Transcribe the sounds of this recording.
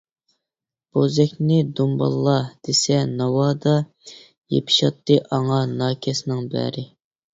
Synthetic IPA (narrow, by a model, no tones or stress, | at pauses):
b̥ozɛkʲnɪd̪umbɑ̰lˠːɑd̪̥esɛnɑwɑd̪ɑ | jḛpʰi̥ʃɑt̪ːɨʔɑŋɑnɑːkʲʰɛsnɪŋbæ̰ɾɪ